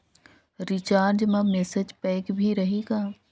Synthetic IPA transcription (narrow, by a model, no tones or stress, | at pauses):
ɾɪt͡ʃaːɾd͡ʒmɐ̃meːsed͡ʒpɛːkbʱiɾɐɦiːɡaː